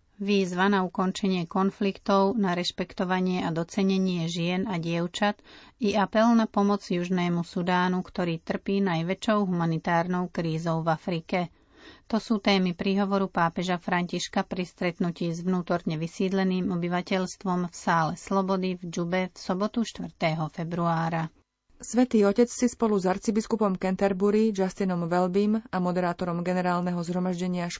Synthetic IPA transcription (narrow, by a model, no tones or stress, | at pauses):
ʋiːzʋanaukɔnt͡ʃɛɲɪɛkɔnflikt̪ɔʊnaɾɛʃpɛkt̪ɔʋaɲɪɛad̪ɔt͡sɛɲɛɲɪɛʒɪɛnaɟɪɛʊt͡ʃat̪iapɛlnapɔmɔd͡zjuʒnɛːmusud̪aːnukt̪ɔɾiːt̪r̩piːnajʋɛt͡ʃɔʊɦumanit̪aːɾnɔʊkɾiːzɔʊvafɾikɛ | t̪ɔsuːt̪ɛːmipɾiːɦɔʋɔɾupaːpɛʒafɾaɲciʃkapɾist̪ɾɛt̪nuciːzʋnuːt̪ɔɾɲɛʋisiːd̪lɛniːmɔbiʋacɛʎst̪ʋɔmfsaːlɛslɔbɔd̪ivd͡ʒubɛfsɔbɔt̪uʃt̪ʋr̩t̪ɛɦɔfɛbɾuaːɾa | sʋɛt̪iːɔcɛt͡sːispɔluzaɾt͡sibiskupɔmkɛnt̪ɛɾbuɾid͡ʒast̪inɔmʋɛlbimamɔd̪ɛɾaːt̪ɔɾɔmɡɛnɛɾaːlnɛɦɔzɦɾɔmaʒɟɛɲɪaʃ